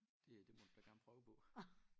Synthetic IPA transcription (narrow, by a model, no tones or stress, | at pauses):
d̥e̝d̥e̝mɒdub̥æɐɡ̥æɐn̩pʰʁœːʊəpʰɔ̽